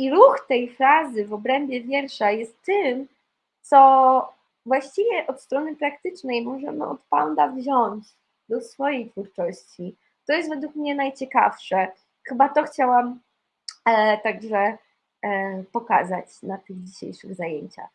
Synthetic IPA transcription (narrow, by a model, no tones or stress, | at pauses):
iɾuxt̪ɛjfɾazɘvɔbɾɛmbʲjɛvʲjɛɾʂajɛst̪ːɘm | t̪sɔ | vwaɕt͡ɕivʲjɛʔɔt̪st̪ɾɔnɘpɾakt̪ɘt͡ʂnɛjmɔʐɛ̰mɘ̰ɔt̪pand̪avʑɔɲt͡ɕ | d̪ɔsfɔjejt̪fuɾt͡ʂɔɕt͡ɕi | t̪ɔjɛst̪vɛd̪ukmɲɛnajt͡ɕɛka̰fʂɛ | xɘbat̪ɔxt͡ɕawam | t̪aɡʐɛ | pɔka̰zat͡ɕnat̪ɘɣd͡ʑiɕḛjʂɘ̰ɣzajeɲt͡ɕa̰x